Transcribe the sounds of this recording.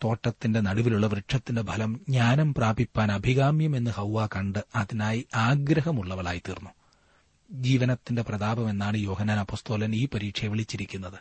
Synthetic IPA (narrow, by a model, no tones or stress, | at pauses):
t̪o̞ːʈːɐt̪ːinde̞nɐɽuʋiluɭːɐʋrɨʈʂɐt̪ːinde̞bʱɐlɐmɲaːnɐmpraːbipːaːnɐbʱiɣaːmjɐme̞nːɨhɐwːaːkɐɳɖɨɐðinaːjiaːɡɾɐɦɐmuɭːɐʋɐɭa̰ːjit̪irnːu | d͡ʑiːʋɐnɐt̪ːinde̞prɐðaːbɐme̞nːaːɳɨjo̞ːɦɐnːaːnɐpːo̞ːst̪o̞ːlɐniːpɐɾiːʈʂɐjɐʋiɭit͡ɕːiɾikʲːunːɐðɨ